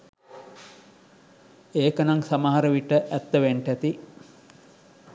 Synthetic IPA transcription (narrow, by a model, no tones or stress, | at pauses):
eːkənaŋsamaɦaɾəʋiʈəʔæt̪ːəʋeɳʈæt̪i